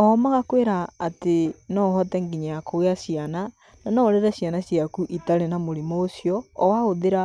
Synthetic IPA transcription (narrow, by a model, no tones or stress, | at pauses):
ɔmaɣakweɾaːtenɔhɔtɛŋɡiɲajakoeaɕiana | nanɔɾeɾɛɕianaɕjakuʔitaɾenamoɾimoːsiɔɔwaoðeɾa